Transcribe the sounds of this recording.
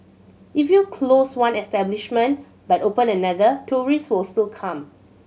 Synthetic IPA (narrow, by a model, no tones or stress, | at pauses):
ʔifjukʰloswãnɛstɛbliʃmə̃nt | batopə̃nənadətʰuɹiswɪlstilkʰãm